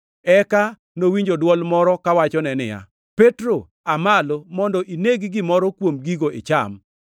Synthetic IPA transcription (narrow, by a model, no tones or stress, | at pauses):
ɛka | nowiɲd͡ʒodwɔlmɔɾɔkawat͡ʃɔnɛnɪ̰ja̰ | petɾo | amalomɔndɔʔineɡiɡɪmɔɾɔkwomɡiɡoʔɪ̰t͡ʃa̰m